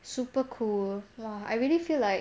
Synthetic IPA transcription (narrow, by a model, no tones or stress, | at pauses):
supəkʰulɔa̰jɹilifilaɪ